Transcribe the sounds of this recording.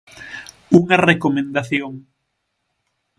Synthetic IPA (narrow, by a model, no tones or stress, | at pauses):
uŋɐrekomẽnd̪aθjoŋ